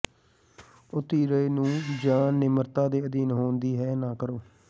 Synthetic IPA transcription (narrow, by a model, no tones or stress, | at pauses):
ʊt̪iːɾəeːnũːd͡ʒaːnːɪməɾt̪ãːd̪eːəd̪iːnɦoːnd̪iːɦɛːnaːkəɾoː